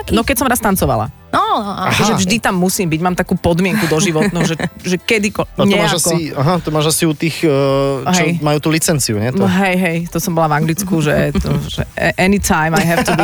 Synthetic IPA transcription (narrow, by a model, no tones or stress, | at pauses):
nɔkɛcsɔmɾast̪ant͡sɔʋa̰la̰ | ɔaɔʒɛvʒd̪it̪amːusiːmbiɟmaːmt̪akuːpɔd̪mɪɛŋkud̪ɔʒiʋɔt̪nuʒɛʒɛkɛd̪ikɔɲɔɛmaːʒasɔiaɦat̪ɔmaːʒasiut̪iːx | ɦt͡ʃɛmajuːt̪uːlit͡sɛnt͡siuɲɛt̪ɔɦɛjɦɛjt̪ɔsɔmbɔlavaŋɡlit͡skuʒɛt̪ɔʒɛ̰ɛʔɛnit̪ajmajɦɛft̪i